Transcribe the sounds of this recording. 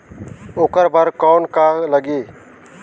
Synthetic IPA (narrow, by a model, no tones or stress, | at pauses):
oːkəɾbʱəɾkɔːnkaləɡeː